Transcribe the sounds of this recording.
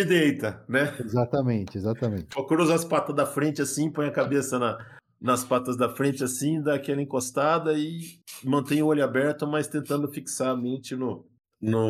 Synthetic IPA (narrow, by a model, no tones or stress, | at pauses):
ɪd̪ejt̪ɐnɛezat̪ɐmẽnt͡ʃɪezat̪ɐmẽnt͡ʃpokuɾozɐspat̪ɐd̪ɐfɾẽt͡ʃɪasĩpõj̃ɐkabesɐnɐ | nɐspat̪ɐzd̪ɐfɾẽnt͡ʃɪasĩd̪aːkɛlɐĩkost̪ad̪ɐɪmɐ̃nt̪ẽj̃ʊoʎʊabɛɾt̪ʊmajst̪ẽnt̪ɐ̃nd̪ʊfiksaɾɐmẽnt͡ʃɪnʊ | nʊ